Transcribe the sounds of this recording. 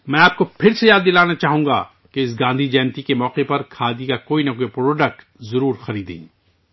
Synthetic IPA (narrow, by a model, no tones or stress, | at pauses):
mɛ̃ːaːp̚kopʰɪɾsejaːd̪ːɪlaːnat͡ʃaːɦũːŋɡa̰ | keɪsɡãːnd̪ʱid͡ʒɛːnt̪ikemɔːqepɐɾkʰaːd̪ikakoːinɐkoːipɾoːɖək̚ʈ | zɐɾuːɾxɐɾiːd̪ḛ̃ː